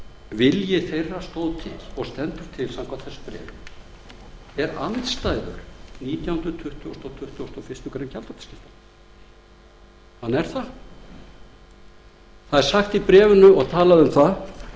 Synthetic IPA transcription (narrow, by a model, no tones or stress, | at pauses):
vɪljɛθejrːast̪owðt̪ʰɪ̰lɔɣst̪ɛnt̪ʏɾ̥t̪ʰɪlsamkʰant̪θɛsːpɾɛ̰ːvʏ | ɛɾa̰nt̪st̪aːjðʏ̰ɾ̥niːt̪jawhʏnt̪ɾʏt̪ʰʏht̪ʏɔst̪ɔt̪ʰʏht̪ʏst̪ɔfɪst̪ʏkaɾɪncʰalt̪ɔt̪ḁscɪft̪a | hanːɛɾ̥θa | θaðɛɾ̥saxt̪ipɾɛːvʏnʏɔɣt̪ʰaːlaðʏmθa